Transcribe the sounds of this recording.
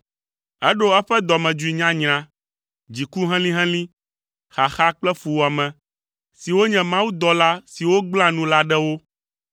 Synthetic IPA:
ɛ˦ɖo˦ɛ˦ɸɛ˦d̪ɔ˨mɛ̃˨d͡ʒu˦i˨ɲã˦ɲɾ̃ã˨ | d͡ʑi˨ku˦ɦɛ̃˦lĩ˦ɦɛ̃˦lĩ˦ | xa˨xa˦k͡plɛ˦fu˨wa˨mɛ̃˨ | si˨wo˦ɲɛ̃˨mã˦wu˦d̪ɔ˨la˦si˨wo˦ɡ͡bl̃ã˦nũ˦la˦ɖɛ˦wo˦

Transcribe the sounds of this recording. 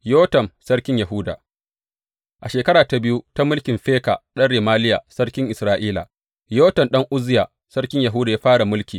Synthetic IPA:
joː˦tɐ˨msɐ˦ɽkʲɪ˦ɲjɐ˨ɦʊ˦da̰ː˨ | ʔa˨ʃeː˨kɐ˦ɽaː˨ta˨bɪ˦ju˦ta˦mʊ˦lkʲɪ˨mɸeː˦ka̰˨ɗɐ˦ɽeː˨maː˦lɪ˦ja˨sɐ˦ɽkʲɪ˦ŋʔɪ˨sɾaː˦ʔiː˦la̰˨ | joː˦tɐ˨nɗɐ˦ŋʔʊ˦zɪ˦ja˨ | sɐ˦rkʲɪ˦ɲja˨ɦʊː˦da˨jaː˦ɸaː˦ɽa˨mʊ˦lkʲiː˨

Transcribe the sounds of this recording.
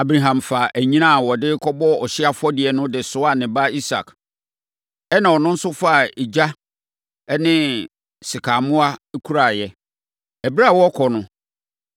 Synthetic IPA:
a˨bɾa˨ɦã˨mfa˨ʔæ˨ɲĩ˦nã˦˨wɔ˨dɪ˦kʰɔ˦bɔ˦ɔ˨ɕɪ˦a˦fʊ˦ɔ˦dɪ˨ɛ˨nʊ̃˦dɪ˨sʊ˦a˦˨nɪ̃˨ba˦i˦sa̰˨k | ɛ˦nã˨ɔ˨nʊ̃˦n̩˦sʊ˦fa˦˨i˨d͡ʑa˦ | ɛ˦nɪ̃˦ | sɪ˨kʰa˨mʊ̃˦a˦kʰu˦ɾa˨jɛ˦ | ɛ˨bi˦ɾa˦˨wɔ˦kʰɔ˨nʊ̃˦

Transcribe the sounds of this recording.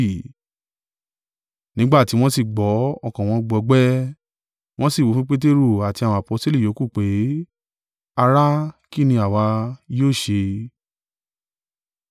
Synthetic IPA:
nĩ˨˦ɡ͡ba˦˨ti˨˦w̃ɔ̃˦si˦˨ɡ͡bɔ˨˦ɔ˦˨kã˨w̃ɔ̃˧ɡ͡bɔ˧ɡ͡bɛ˦ | w̃ɔ̃˦si˦˨wo˨˧fĩ˦k͡pe˦t̬e˦ɾu˦˨a˨ti˧a˨w̃ɔ̃˧˨a˨po˧˦sto˦li˦˨jo˨˦ku˦˨k͡pe˨˦ | a˧ɾa˦ki˦˨nĩ˧a˨wa˧joː˦˨ʃe˧

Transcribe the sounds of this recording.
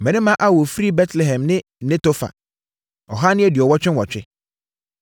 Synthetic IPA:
mɛ̃˨nɪ̃˦mã˦ʔa˦wɔ˨fɾi˦bɛ˦tʰlɛ˨ɦɛ̃˨mnɪ̃˦nɪ̃˦to˦fa̰˨ | ɔ˨ɦa˦nɪ̃˦ɛ˦dɪ˨ɔ˨wɔ˦t͡ɕᶣɪ̃˦nwɔ˨t͡ɕᶣɪ˦

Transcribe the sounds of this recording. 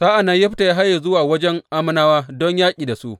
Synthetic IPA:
saː˦ʔa˨na˦jɐ˦ɸta˨ja˦ɦa˦jːa˨zʊ˦waː˨wɐ˦d͡ʒɛ˦ŋʔaː˦mʊ˦naː˦waː˦dɔ˦ɲjaː˦kʲʼiː˨da˨sṵ˦˨ʔ

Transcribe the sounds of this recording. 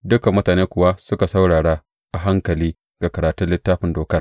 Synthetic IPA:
dʊ˦ka˨mːʊ˦taː˨neː˦kʷʊ˨wa˦sʊ˦ka˨sa˦wɽaː˨ɽa˦ | ʔa˨ɦa˦ŋkɐ˨liː˦ | ɡ̥a˨kɐ˨ɾaː˨tʊ˦nlɪ˦tːaː˦ɸɪ˨ndoː˨kɐ˦r

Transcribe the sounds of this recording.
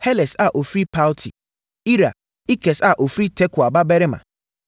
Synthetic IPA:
hɛ˦lɛ˨sa˨ʔo˨fɾi˦pʰa˦ltʰi˨ | i˦ɾa̰˨ | i˦kʰɛ˨sa˨ʔo˨fɾi˦tʰɛ˦kʰʊ˨a˨ba˦bɛ˦ɾɪ˦mã̰˨

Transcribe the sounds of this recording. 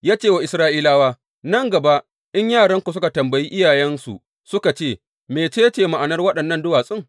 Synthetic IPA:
jaː˦t͡ʃeː˦˨wa˨ʔɪ˨sɾaː˦ʔiː˦laː˦waː˦ | nɐ˦ŋɡɐ˨ba˦ʔ | ʔɪ˦ɲjaː˦˨ɽɐ˦ŋkʷu˨s̬ʊ˦ka˨tɐ˨mbɐ˨ji˦ʔɪ˦jaː˨jɛ˦nsṵ˨ | sʊ˦ka˨t͡ʃeː˦˨ | meː˨t͡ʃeː˦t͡ʃeː˨ma˨ʔa˨nɐ˦rwɐ˦ɗɐ˨nːɐ˦˨ndʊ˦waː˨sʼɪ˦ŋ

